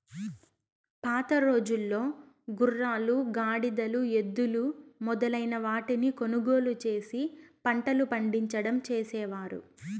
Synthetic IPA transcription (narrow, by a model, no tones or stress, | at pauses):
paːt̪ɐɾo̞ːd͡ʒulːo̞ː | ɡurːaːluɡaːɽid̪ɐlue̞d̪ːulumɔd̪ɐlɐjnɐʋaːʈiniko̞nuɡo̞ːlut͡ʃe̞ːsipɐɳʈɐlupɐɳɖiɲt͡ʃɐɽɐmt͡ʃeːsɛːʋaːɾṵ